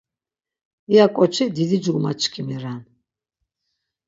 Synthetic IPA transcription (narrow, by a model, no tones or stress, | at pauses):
iakʼɔt͡ʃʰid̪id̪id͡ʒuɡmat͡ʃʰkʰimiɾan